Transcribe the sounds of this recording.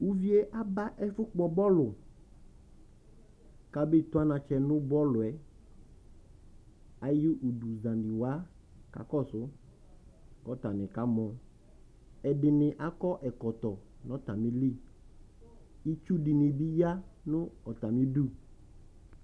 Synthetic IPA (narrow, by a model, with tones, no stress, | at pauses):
wu˦vi˦e˦ʔa˦ba˦ʔɛ˦fʊ˦k͡pɔ˦bɔ˦lʊ˨ | ka˨be˦t̪ʊ˦a˦nã˨t͡ʃɛ˨nʊ̃˦bɔ˦lʊ˨ɛ˨ | a˨ji˦ʔu˨du˨zã˨ndi˨wa˦ | ka̰˨kɔ˦˨sʊ˦ | kɔ˨˦t̪a˨nɪ̃˨ka˦mɔ̃˨ | ɛ˨ɖɪ˨nɪ̃˨ʔa˦kɔ˦ʔɛ˨kɔ˨t̪ɔ˨ | nɔ̃˦t̪a˨mĩ˦li˦˨ | i˦t͡ʃu˦di˨nĩ˨bi˦ja˦nʊ̃˦ɔ˨t̪a˨mĩ˦du˦